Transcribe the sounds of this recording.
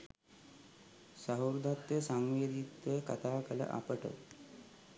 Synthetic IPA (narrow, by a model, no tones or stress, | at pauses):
saɦuɾd̪ʱat̪jəsaŋʋed̪it̪ʋejkɐt̪ʰaːkələ̰ʔa̰pəʈə̰